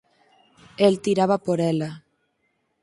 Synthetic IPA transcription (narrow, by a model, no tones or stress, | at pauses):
elt̪iɾaβapoɾɛla